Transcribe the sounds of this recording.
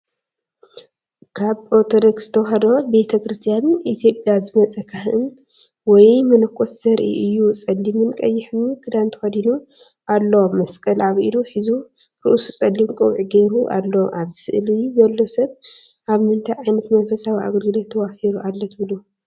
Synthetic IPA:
kʰaβoɾt̪ʰod̪okz̥ɨt̪ʰɐwɦɐd̪obe̞t̪ʰɐkɾɨst̪ʰijanit̪ʰjo̞pʼjazɨmɐt͡sʼɐkʰahɨn | wɔjmɐnɐkʰʼːot̪z̥ɐɾʔḭʔɨjːut͡sʼɐlːimɨnkʼɐjːɪħɨnuɡɨd̪ant̪ʰɐ̥xɐd̪inu | ʔalːomɐskʼɐlaβʔiluħizu | ɾṵʔusu̥t͡sʼɐlːimkʼowʕiɡeɾuʔa̰lːoʔaβsɨ̰ʔlizɐlːo̞sɐβ | ʔaβmɨnt̪ʰajʕajnɐt̪mɐnfɐsawia̰ɡɐlɡɨlot̪ʰːɐβafiɾuʔalːɐt̪ʰɨβlu

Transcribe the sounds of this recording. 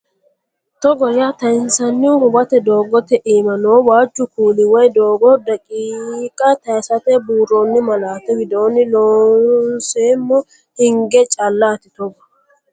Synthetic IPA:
t̪ɔɡɔjaːt̪ɐɪnsɐnːɪwʊhʊbɐt̪ɛd̪o̞ːɡɔt̪ɛʔiːmɐnoːwaːt͡ʃːʊkuːlɪwɔjd̪oːɡɔd̪ɐkʼiːkʼɐt̪ɐjsɐt̪ɛbuːɾonːɪmɐlaːt̪ɛɡɪd̪oːnɪloːnseːmːʊ | hɪŋɡɛt͡ʃʼɐlːaːt̪ɪt̪ɔɡɐ

